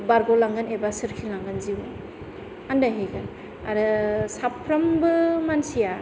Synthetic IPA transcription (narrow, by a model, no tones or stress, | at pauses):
baɾɡolaŋɡɯnebasɯɾkʰilaŋɡɯnziw | andaɦejɡan | aɾɯsapʰːɾambɯmansija